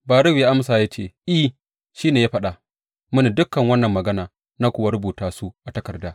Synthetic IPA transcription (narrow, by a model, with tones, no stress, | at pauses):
baː˨ɾʊ˦wja˦ʔa˦msaː˨ja˦t͡ʃeː˦˨ʔi˦ | ʃiː˦neː˨jaː˦ɸɐ˦ɗa˨ | mʊ˦ni˨dʊ˦kːɐ˨ŋwɐ˦nːɐ˨mːɐ˨ɡɐ˦naː˨ | na˦kʷʊ˨wa˦ɾʊ˦buː˨taː˨su˦ʔa˨tɐ˦kɐ˨rdaː˦